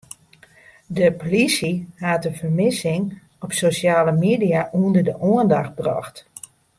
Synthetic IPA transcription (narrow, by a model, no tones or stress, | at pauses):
dəpolisihatəvərmɪsɪŋ | ɔpsosjaːləmeːdijaʔuəndərdəʔoəndaxt̚brɔ̰xt